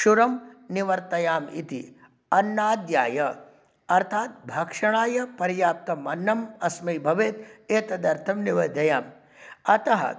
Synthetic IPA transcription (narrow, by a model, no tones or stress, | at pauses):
ʃuɾɐmniʋɐɾt̪ɐjaːmḭt̪ḭ | ɐnːaːd̪jaːjɐ | ɐɾt̪ʰaːt̪̚bʱɐkʂɐɳ̃aːjɐpɐɾjaːp̚t̪ɐmɐnːɐmɐsmɐjbʱɐʋeːt̪eːt̪ɐd̪ɐɾt̪ʰɐmniʋɐd̪ɐjaːm | ɐt̪ɐɦɐ̰